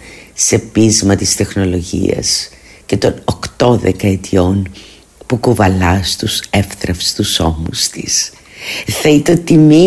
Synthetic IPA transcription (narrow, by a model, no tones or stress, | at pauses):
se̞pizmɐt̪ist̪e̞xno̞lo̞ʝḭɐ̰s | ce̞t̪o̞nokt̪o̞ðekɐet̪ʰio̞n | pukovɐlɐst̪usefθɾɐfst̪uso̞must̪is | θɐit̪ot̪imi